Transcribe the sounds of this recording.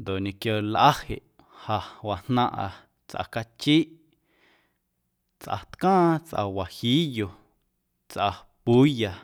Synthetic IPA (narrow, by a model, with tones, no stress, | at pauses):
nd̪o˨ʔɲẽ˨kjo˧lʔa˦hḛ˨ʔ | ha˨wa˨n̥nã˧ʔa˧˨ | t͡sʔa̰˧˨ka˧t͡ʃi˦ʔ | t͡sʔa̰˨t̪kãː˦t͡sʔa̰˧wa˨hiː˦jo˨ | t͡sʔa˧ | pu˨˦ja˨